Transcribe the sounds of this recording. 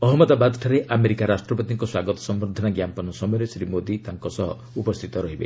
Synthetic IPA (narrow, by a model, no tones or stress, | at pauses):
ɔɦɔmɔd̪abad̪ʈʰaɾeʔameɾikaɾasʈɾɔbɔt̪iŋkɔswaɡɔt̪ɔ̥sɔmbɾɔd̪ʱɔnaɡjampɔnɔsɔmɔjɔɾesɾimod̪it̪aŋkɔsɔɦɔ̰ | upɔst̪ʰi̥t̪ɔɾɔɦibḛ